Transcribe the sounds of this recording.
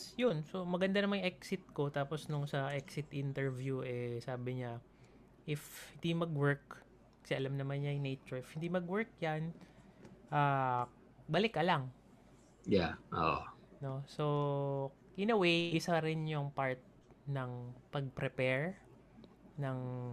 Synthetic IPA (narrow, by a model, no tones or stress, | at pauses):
jʊnso̞mɐɡɐnd̪anɐmaŋʔɛksɪt̪̚ko̞t̪aːposnʊŋsɐʔɛksɪt̪ʔɪnt̪ɛɹvjuʔɛsaːbɪɲa | ʔɪfhɪnd̪imɐɡwɛɹk | kːɐsɛʔɐlamnɐmanɲajnejt͡ʃʊɹɪfhɪnd̪imɐɡwɛɹk̚jan | ʔaː | bɐlɪkʔɐlaŋ | jaʔo̰ʔono̞so̞ | ʔɪnɐwejʔɪsaɾɪnjʊŋpaɹt̪̚ | nɐŋpɐɡ̚pɾɛpɛɹ | nɐŋ